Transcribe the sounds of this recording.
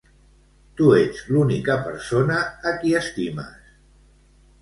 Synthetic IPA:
t̪ued͡zlunikəpə̰ɾsonaːkiəst̪imə̰s

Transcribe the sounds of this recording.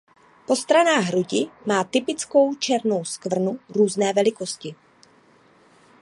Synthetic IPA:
po̞st̪ɾanaːɣɦɾuɟɪmaːt̪ɪpɪt͡sko̞wt͡ʃɛɾno̞wskvr̩nuɾuːznɛːvɛlɪko̞scɪ

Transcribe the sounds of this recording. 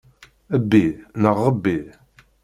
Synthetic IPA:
æbːinəʁːəbːi

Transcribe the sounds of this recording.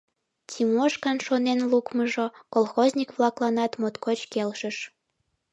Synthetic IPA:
tʲimoʃkɑnʃonenlukməʒokolˠxozʲnʲikβlɑklɑnɑt̪mot̪kot͡ɕkelʃəʃ

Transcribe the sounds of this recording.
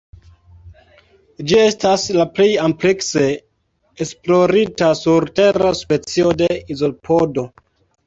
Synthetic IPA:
d͡ʒie̞staslaplejamplekse̞ː | splo̞ɾitasuɾte̞ɾaspe̞t͡sio̞de̞izo̞lpʰo̞do̞

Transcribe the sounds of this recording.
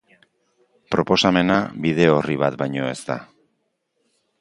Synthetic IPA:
pɾo̞po̞same̞naβiðe̞o̞riβ̞at̪bajɲo̞e̞st̪a̰

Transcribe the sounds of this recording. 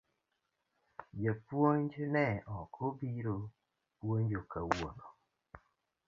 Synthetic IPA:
d͡ʒapwoɲd͡ʒnɛɔkʰobiɾo | pwoɲd͡ʒokawo̰no

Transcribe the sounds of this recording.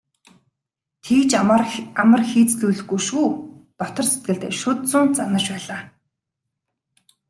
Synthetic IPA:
t̪ʰiːt͡ɕamə̆rxiːt͡sɮujɮɘ̆xɡuʃuːt̪ɔt̪ɞ̆rset̪̚ɡɘ̆ɮt̪ḛːʃʊt̪t͡sʊːnt͡sanə̆rt͡ɕpæːɮaː

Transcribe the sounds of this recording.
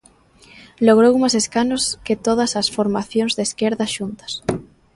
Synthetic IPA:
loɣɾowumaseskanoskɪt̪oð̞ɐsɐsfoɾmaθjoŋzðeskeɾðɐʃunt̪ɐ̥s

